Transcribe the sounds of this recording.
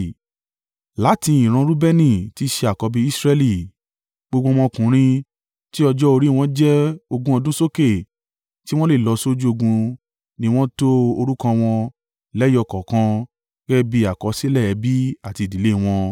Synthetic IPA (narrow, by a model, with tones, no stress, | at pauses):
la˨˦tĩ˧i˨ɾ̃ã˧ɾu˦bɛ˦nĩ˦˨ti˦ʃe˧a˨kɔ˨˧bi˦i˦sɾɛ˧li˨ | ɡ͡bo˧ɡ͡bo˧w̃ɔ̃˧kũ˨˦ɾ̃ĩ˧ | ti˦ɔ˧d͡ʒɔ˦o˧ɾi˦˨w̃ɔ̃˦d͡ʒɛ˦o˧ɡũ˧˦ɔ˧dũ˦so˦ke˦˨ | ti˦w̃ɔ̃˦le˦˨lɔ˧so˦d͡ʒu˦o˧ɡũ˧ | nĩ˦w̃ɔ̃˦to˦o˧ɾu˦kã˧w̃ɔ̃˧ | lɛ˦jɔ˧kɔ˨kã˧ | ɡɛ˦bi˧˦a˨kɔ˨˦si˦lɛ˦˨ɛ˧bi˦a˦˨ti˧˨di˨˦le˦˧w̃ɔ̃˧